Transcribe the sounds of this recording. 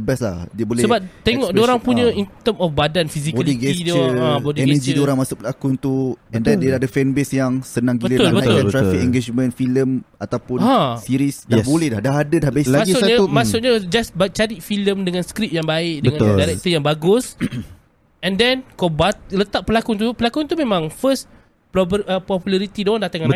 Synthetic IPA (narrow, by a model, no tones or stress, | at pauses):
əbɛslahdiəbolɛsəbap̚t̪eŋɔʔddoɾaŋpuɲə̃int̪əmɔfbadanfisikoaliɡɛsidoabodiɛnəd͡ʒioɾaŋmasʊʔpəlakunt̪uɛ̃ndɛndəadəfɛnbesjaŋsənãŋɡibələt̪ʊalbəʊt̪ɾafikɛŋɡed͡ʒmɛ̃nfiləmat̪awpʊasiɾisdabolɛhdahdaɦadədahbesamaiʊɲamasʊt̪̚ɲad͡ʒasbat͡ʃaɾit̪̚filəmdəŋãnskɾip̚jaŋbaɪʔdəəŋãndaɾɛk̚t̪əjaŋbaɡʊs | ɛ̃ndɛnkobat̪̚lət̪aʔ̚pəlakʊnt̪̬upəlakunt̪umẽmãŋfəs | pɔəpɔpjulaɾit̪idondat̪aŋã